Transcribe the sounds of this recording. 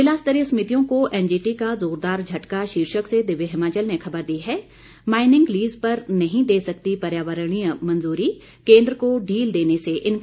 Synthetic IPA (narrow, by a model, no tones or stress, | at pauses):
ɪlaːst̪əɾismɪt̪ijõkoʔɛːnd͡ʒiːʈikazoːɾd̪aːɾd͡ʒʱɐʈkaʃiːɾʃəksed̪ɪʋeɦɪmaːt͡ʃəlnexʰɐbəɾd̪iɦɛː | maːɪnɪ̃ŋɡliːzpəɾnɐɦĩd̪eːsɐkt̪ipɐɾjaːʋəɾəɽ̃ĩmɐ̃nzuːɾi | kẽːnd̪ɾəkoɖʱiːld̪eːneseʔɪn